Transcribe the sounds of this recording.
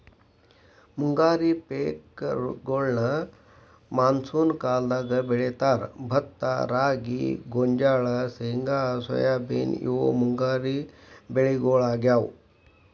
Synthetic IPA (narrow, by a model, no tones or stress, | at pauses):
muŋɡaɾipekɡoɭɳə | mansuːnkald̪aɡəbeɭet̪aɾbʱət̪ːaɾaɡḭɡoɲd͡ʒaɭaseŋɡasə̰jabḛnḭo̰muŋɡaɾibeɭiɡoɭaɡjaw